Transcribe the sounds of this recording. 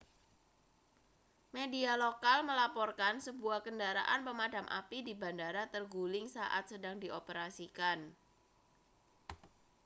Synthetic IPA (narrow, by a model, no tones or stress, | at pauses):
medialokalməlapɔrkansəbuahkəndaɾa̰ʔanpəmadamʔa̰pidibandaɾat̪ərɡulɪŋsa̰ʔa̰t̪̚sədaŋdiʔopəɾasikan